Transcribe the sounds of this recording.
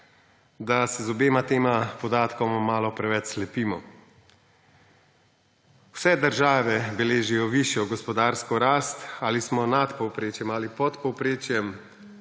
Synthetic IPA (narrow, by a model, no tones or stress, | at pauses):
d̪asɛzɔbeːmat̪eːmapɔd̪aːt̪kɔmamaːlɔpɾɛʋɛt͡ʃslɛpiːmɔ | wsɛd̪əɾʒaːʋɛbɛleːʒijɔʋiʃjɔɡɔspɔd̪aːɾskɔɾaːst̪aːlismɔnat̪pɔwpɾeːt͡ʃjɛmalipɔt̪pɔwpɾeːt͡ʃjɛm